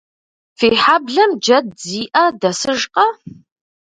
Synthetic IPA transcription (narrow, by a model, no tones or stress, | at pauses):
feːħabɮɐmd͡ʒɐd̚ziːʔɐdɐsɨʒqʼɐ